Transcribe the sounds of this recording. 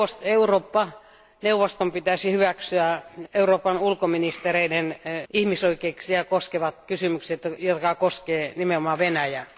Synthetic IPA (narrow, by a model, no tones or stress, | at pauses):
ost̪euroːpːɑ | neuʋost̪ompit̪æsihyʋæksyæeuroːpɑnulkominist̪ereidenihmisoikˑeiksiɑkoskeʋɑt̪kysymykset̪jot̪kɑkoskeːnimeomɑːʋenæjæ